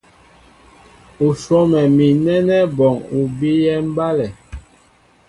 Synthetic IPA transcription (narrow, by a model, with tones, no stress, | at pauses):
u˨sɔ˦mɛ˨mi˨nɛ˦nɛ˦bɔ˨ŋu˨bi˦jɛ˦m̩˦ba˦lɛ˨